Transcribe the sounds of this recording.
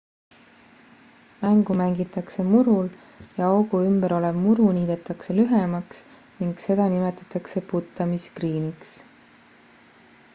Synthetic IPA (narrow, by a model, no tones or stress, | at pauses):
mæŋɡ̥umæŋɡit̪ːˑɑkse̞muɾul | jɑoɡ̥uymbeɾo̞levmuɾuniːd̪̥e̞t̪ːˑɑkse̞lyɦemɑks | niŋɡ̥se̞d̪ɑnime̞t̪ːˑɑ̥t̪ːˑɑkse̞put̪ːˑɑmiskriːniks